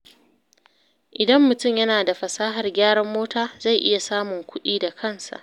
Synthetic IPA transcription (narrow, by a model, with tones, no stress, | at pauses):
ʔɪ˨dɐ˦mːʊ˨tʊ˦˨mjɐ˦naː˨da˨ɸɐ˨saː˦ɦɐ˨rɡʲaː˦ɽɐ˦mːoː˦taː˦za˦˨jʔɪ˦ja˨saː˦mʊ˨ŋkʷʊ˦ɗiː˦da˨kʰɐ˦˨nsa̰˨ʔ